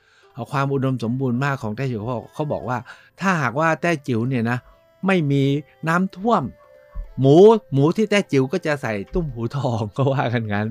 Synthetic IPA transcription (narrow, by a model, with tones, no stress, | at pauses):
ʔɔ˨˩kʰwaː˧mʔu˧˩ɗo˧mso˨˦mbu˧nmaː˧˥˩kʰɔ˨˩˦ŋt̪ɛː˧˩t͡ɕi˨˩˧kɔ˧˩wɓɔ̰ː˨˩k̚waː˧˥˩ | t̪ʰaː˧˩ɦaː˨˩k̚waː˧˩t̪ɛː˧˩t͡ɕi˨˩˦əwni˧˩˨na˨˦ | ma˧˥˩jmi˧ | naː˨˦˥mt̪ʰu˧˥˩əmː | u˨˦mu˨˦t̪ʰi˧˩t̪ɛː˧˥˩t͡ɕi˨˦wkɔː˨˧˥t͡ɕa˧˥sa˨˩jt̪u˧˩mhuː˨˦t̪ʰɔː˧˩ŋkɔ˧˩waː˧˩ka˧˩nka˨˦n